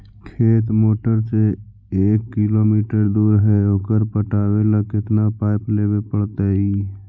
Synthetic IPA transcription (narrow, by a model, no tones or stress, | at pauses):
kʰet̪moːʈəɾse | ekːilomiʈəɾd̪uɾɦɛoːkəɾpəʈabeləkɪt̪napajplebepəɽt̪əi